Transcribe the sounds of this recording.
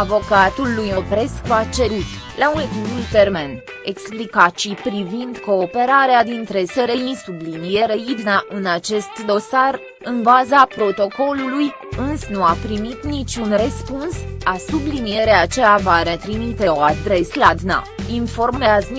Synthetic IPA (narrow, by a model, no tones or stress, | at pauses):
avo̞kat̪ulːujopɾe̞skuat͡ʃe̞ɾut̪ | launekivult̪ermen | eksplikat͡ʃipɾivind̪ko̞ːpe̞ɾaɾead̪int̪ɾe̞seɾeinsublinijeɾeid̪naʔɨnat͡ʃe̞st̪d̪o̞sar | ɨnbazapɾo̞t̪o̞ko̞luluj | ɨnsnuapɾimit̪nit͡ʃʲunrəspunsasublinije̞ɾeat͡ʃeavaɾet̪ɾimit̪e̞oad̪ɾe̞slad̪na̰info̞rmmeazni